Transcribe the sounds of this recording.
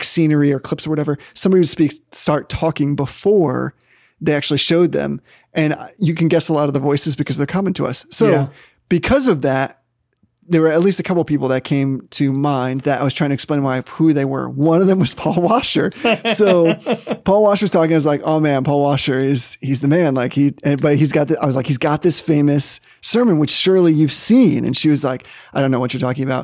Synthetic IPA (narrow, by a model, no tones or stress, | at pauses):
sĩnə˞iə˞kʰl̥ɪpsə˞wʌɾɛvə˞sʌ̃mbɑɾiwɨd̥spikstɑɹtʰɔkɪ̃ŋbəfɔɹ | ðeɪæk̚t͡ʃʉl̩ˠiʃoʊd̪̚ðɨ̰̃m | ʔɨ̃njɨkɨ̃nɡɛsəlɔɾʌvðəvɔɪsɨzbɨkʰʌzðə˞kʰʌmɨ̃n̩tʰəʌ̰sːoʊ | b̥ɨkʰʌzʌvðæt̚ | ðə˞wə˞ɨtˡlistɨkʰʌpl̩ˠpipl̩ˠðɨt̚kʰẽɪ̃mtʰɨmãɪ̃nðɨɾa̰ɪwʌz̥tʰaɪɪ̃tʰɨksplẽɪ̃nmaɪfhuðeɪwə̰˞wʌ̃nʌvðɨ̃mwʌz̥pʰɔlˠwɑʃə˞soʊpʰɔlˠwɑʃə˞z̥tʰɔkɪ̃ŋaɪʌzlaɪkoʊmæ̃npʰɔlˠwɑʃə˞ɪz̥hizðɨmæ̃nlaɪkhiɨ̃nbʌt̚hizɡɑt̪̚ðaɪwʌzlaɪkhizɡɑt̪̚ðɪsfẽɪ̃mɨs | ɜ˞mɨ̃nwɨt͡ʃʃʊɹlˠijʉv̥sĩnɨ̰̃nʃiwʌzlaɪkaɪɾõʊ̃noʊwʌt͡ʃə˞tʰɔkɪ̃ŋɨbaʊt̚